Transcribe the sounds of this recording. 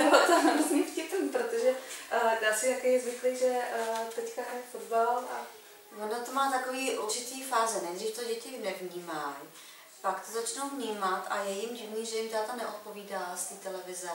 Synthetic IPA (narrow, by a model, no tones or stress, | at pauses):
ɛbat̪anaɾuzɲifcɪt̪impɾot̪oʒɛdaːsɪt̪akejzvɪklejʒɛt̪ɛckaʔɛfodbala | vonat̪omaːt̪akoviːʔuɾt͡ʃɪt̪iːfaːzɛnɛjdriːft̪oɟɛcɪnɛvɲiːmaj | pakt̪ozat͡ʃnowvɲiːmat̪ʔajɛjɪmɟɪvniːʒɛjɪmt̪aːt̪anɛʔot̪̚po̞viːdalst̪iːt̪ɛlɛvɪzɛ